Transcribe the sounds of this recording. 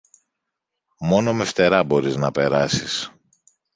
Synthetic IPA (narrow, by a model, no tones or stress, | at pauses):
mo̞no̞me̞ft̪e̞ɾɐbo̞ɾiznɐpe̞ɾɐsis